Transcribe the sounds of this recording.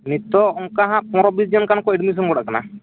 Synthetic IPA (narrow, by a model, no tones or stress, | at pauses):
nit̪ɔɔŋkaɦãʔpɔ̃ɾɔbisd͡ʒɔnkankɔiɖmis̬ɔnɡɔɽa̰ʔkana̰